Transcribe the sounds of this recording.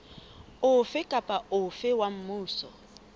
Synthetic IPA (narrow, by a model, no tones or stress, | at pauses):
ʊfɪkʼapʼaʊfɪwam̩muːsɔ